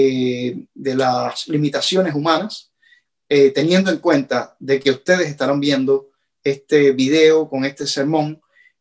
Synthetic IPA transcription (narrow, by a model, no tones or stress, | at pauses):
d̪e̞laslimit̪asjo̞ne̞sumãnas | et̪e̞njend̪oe̞ŋkwẽ̞nt̪aðe̞ke̞ust̪e̞ð̞e̞se̞st̪aɾambjẽ̞nd̪o̞ | e̞st̪eβiðe̞oko̞ŋe̞st̪ese̞ɾmõ̞ŋ